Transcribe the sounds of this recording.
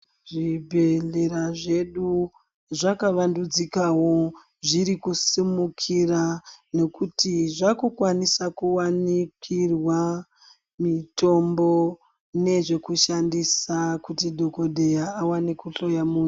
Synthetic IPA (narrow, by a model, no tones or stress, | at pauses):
ʐibʱe̞ɮe̞ɾaʐe̞ɗu | ʐakaʋandud͡zikawo | ʐiɾikusimukʰirane̞kutiʐakukwanisakuwanikirwa | mito̞mbo̞ | ne̞ʐe̞kuʃandisakutidʱo̞ko̞ɗʱe̞jaːwanekuɬo̞jamuːɲu